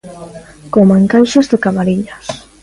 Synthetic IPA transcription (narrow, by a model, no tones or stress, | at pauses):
komaŋkajʃazðɪkamaɾiʎas